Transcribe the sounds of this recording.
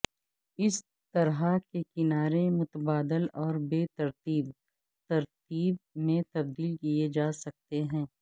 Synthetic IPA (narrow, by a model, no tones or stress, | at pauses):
ɪs | t̪ɐɾɦakekɪnaːɾemʊt̪əbaːd̪əlɔːɾbeːt̪ɐɾt̪iːb | t̪ɐɾt̪iːb̚mẽt̪ɐb̚d̪iːlkied͡ʒaːsɐk̚t̪eɦɛ̃ː